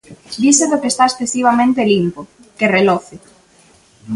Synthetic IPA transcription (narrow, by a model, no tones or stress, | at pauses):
d̪iseðokest̪aesθesiβ̞amẽnt̪̬elimpo | kerelɔθɪ